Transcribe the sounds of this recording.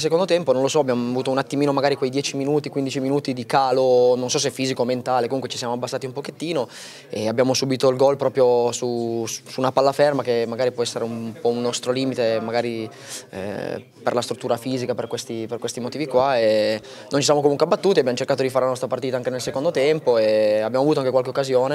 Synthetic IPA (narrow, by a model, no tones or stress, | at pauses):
ls̬ekond̪ot̪ɛmponõnlosɔabjamoavuːt̪ounat̪ːimiːnomaɡaːɾikwejd̪jɛːt͡ʃiminuːt̪ikwind̪it͡ʃiminuːt̪id̪ikaːlononsɔs̬eɛfiːzikoment̪aːlekomuŋkwet͡ʃi̥sjamoabːasːaːt̪iumpoket̪ːiːno | eabːjaːmosubiːt̪oilɡɔlpɾɔːpɾjosusuːnapalːafɛrmakemːaɡaːɾipwɔɛsːeɾeummpɔunːɔst̪ɾoliːmit̪emaɡaːɾḭ | pḛrlast̪ɾut̪ːuːɾafiːzikaperkwest̪iperkwest̪imot̪iːvikwae | nont͡ʃisjamok̬omuŋkweabat̪ːuːt̪iabjamot͡ʃerkaːt̪od̪ifaɾelanɔst̪ɾapart̪iːt̪aŋkenelsekond̪ot̪ɛmpoeabjaːmoavut̪oaŋkekwalkeokːazjoːne